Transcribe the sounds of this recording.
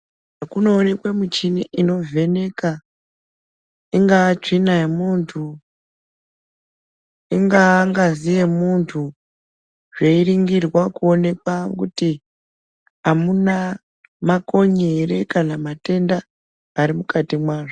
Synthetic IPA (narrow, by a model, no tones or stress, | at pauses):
ʐakuno̞ːne̞kwemit͡ʃiniʔino̞ve̞ne̞ka | iŋɡaːt͡ʂinaimuntʰu | iŋɡaŋɡazije̞muntʰu | ʐe̞iriŋɡirwakuo̞ne̞kwakuti | amuna | mako̞ɲeɾekanamate̞ndaː | ɾimukatimwaːʐo